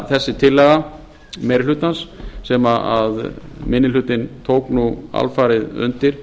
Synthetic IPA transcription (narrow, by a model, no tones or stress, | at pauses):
θɛsːɪt̪ʰɪlːɛɣa | mɛɾlʏːt̪ansːɛmaaðmɪnːɪlʏːt̪ɪnt̪ʰoːwknua̰lfaːɾɪðʏ̰nt̪ɪɾ̥